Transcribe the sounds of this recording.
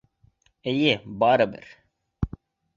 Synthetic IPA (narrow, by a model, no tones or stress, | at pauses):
ejebaːɾɐbə̰ɾ